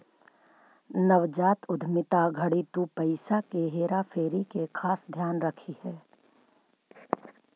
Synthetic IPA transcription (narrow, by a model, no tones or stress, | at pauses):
nəʋd͡ʒaːt̪ʊd̪ʱmɪt̪aɡʱɐɽit̪upɐɪsakeɦeːɾafʰeːɾikekʰaːsd̪ʱjaːnɾɐkʰihɛː